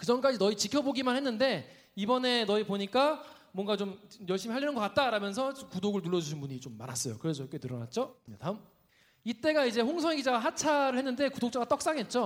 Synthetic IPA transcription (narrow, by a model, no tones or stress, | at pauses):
kɯd͡ʑʌnk͈ad͡ʑinʌit͡ɕikʰjʌboɡimanhe̞nːɯnde̞ | ibʌne̞nʌipoɲik͈a | mwʌŋɡat͡ɕomjʌɭɕ͈imiɦaʎːinɯnɡʌk͈at̚t͈aɾamjʌns̬ʰʌt͡ɕkudoɡɯɭnuɭːʌd͡ʑuɕʰinbuɲit͡ɕomːa̰ɾas͈ʌjokɯɾed͡ʑʌk͈enɯɾʌna̰t̚t͡ɕ͈oidam | it͈e̞ɡaid͡ʑe̞ɸoŋsʰʌŋeɡid͡ʑaɡaɦat͡ɕʰaɾɯɭhe̞nːɯnde̞kudok̚t͡ɕ͈aɡat͈ʌk̚s͈aŋɦe̞t̚t͡ɕ͈o